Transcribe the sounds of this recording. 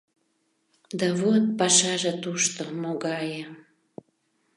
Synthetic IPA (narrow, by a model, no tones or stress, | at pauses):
d̪ɑβot̪̚pɑʃɑʒet̪uʃt̪omoɣɑjə